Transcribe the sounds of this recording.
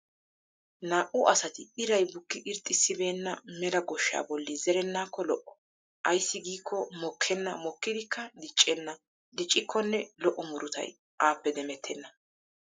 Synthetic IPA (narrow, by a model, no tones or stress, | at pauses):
naːʔʊʔɐsɐt̪ɪɪɾɐjbʊkːɪʔɪɾt̪ʼːɪsːɪbe̞ːnːɐmɛlɐɡɔʃːa̰ːbɔlːizɛɾɛnːaːkːɔlɔʔɔ | ʔɐjsːɪɡiːkːɔmɔkʰːɛnːɐmɔkːɪd̪ɪkʰːɐd̪ɪt͡ʃʼːɛnːɐ | d̪ɪt͡ʃʼːɪkʰːɔnːɛlɔʔːɔmʊɾʊt̪ɐ̰j | ʔaːpːɛd̪ɛmɛt̪ʰːɛnːɐ